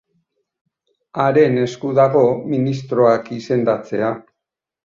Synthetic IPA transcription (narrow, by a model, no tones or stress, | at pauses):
aɾe̞ne̞skuðaɣo̞minist̪ɾo̞akise̞nd̪at͡se̞a